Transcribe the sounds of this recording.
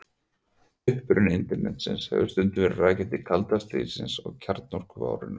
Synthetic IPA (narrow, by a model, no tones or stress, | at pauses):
ʏhpɾʏnɪnt̪ɪɾmɛnt̪sɪnshɛ̰vʏst̪ʏnt̪ʏvɛɾraːcɪt̪ɪkʰalt̪ast̪ɾḭːsɪnsɔ̰ɣcʰaɾt̪nɔr̥kʏva̰ːwɾɪnʏ